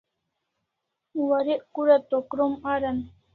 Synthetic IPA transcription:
waɾɪʔkʊɾat̪okɾomaɾan

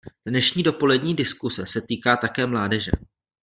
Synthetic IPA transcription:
d̥nɛʃɲiːdo̞po̞lɛdɲiːdɪskusɛsɛt̪iːkaːt̪akɛːmlaːdɛʒɛ̰

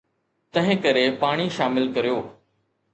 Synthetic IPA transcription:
t̪ɐ̃ɦɪ̃kɐɾepaːɽ̃iʃaːmɪlkɐɾijoː

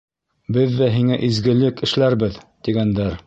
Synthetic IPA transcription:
bɘðːæɦiŋæʔizɡɘ̆lɘkɘ̆ʃlæɾbɘðt̪iɡænd̪æɾ

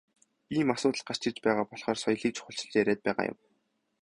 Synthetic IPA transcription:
iːmasʊːt̪ə̆ɮɢar̥t͡ɕɪ̆t͡ɕpæːʁaːpɔɮχɔːrsɔjɮiːkt͡ɕʰʊχʊ̆ɬt͡ɕɪ̆ɮt͡ɕæɾeːt̪̚pæːʁa̰ːjʊ̰w

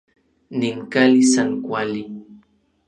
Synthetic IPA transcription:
niŋkalisaŋkwali

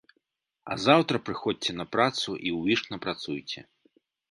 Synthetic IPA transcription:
ɐ̰zawt̪ɾɐpɾɨxɔdʲt͡sʲɛnɐpɾat̪suʔiwʲiʂnɐpɾat̪sujt͡sʲɛ̰

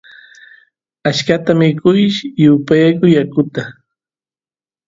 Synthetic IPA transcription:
aʃkat̪amɪkʊjʃjʊpajakʊjakʊt̪a

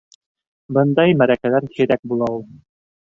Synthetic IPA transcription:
bɤnd̪ɑjmæɾækælænhiɾæk̚bulˠɑulˠ

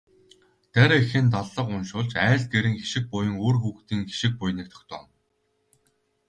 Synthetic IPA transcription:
t̪æɾexɘ̆nt̪̬ɔɮːɞ̆qʊnʃʊːɮt͡ɕæːɮ̚ɡeɾɘ̆ŋxiʃɪ̆k̚pʊjə̆ŋoːrxuːxt̪iːŋxi̥ʃɪ̆k̚pʊjniːk̚t̪ʰɔ̥xt̪ʰœ̰ːn

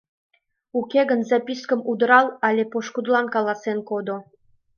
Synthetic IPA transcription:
ukʲeɣənzɑpʲiskəmud̪əɾɑlɑlʲepoʃkud̪lɑnkɑlˠɑsenkod̪o

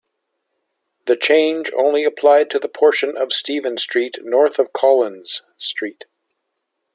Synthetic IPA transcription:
ðɨt͡ʃʰẽɪ̃nd͡ʒõ̰ʊ̃nliɨpʰl̥aɪd̚tʰɨðəpʰɔɹʃɨ̃nʔʌv̥stivɨ̃nstɹ̥itⁿnɔɹθʌv̥kʰɑlˠə̃nz̥ | stɹ̥it

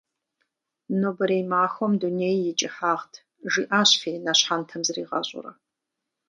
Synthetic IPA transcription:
nobɨɾejmaːxʷɔmduneːjːɪt͡ʃʼɪħaːʁtʰ | ʒiːʔaːɕfeːnaɕħantʰɐmzɨriːʁɐ̰ɕʼʊ̰rɐ̰

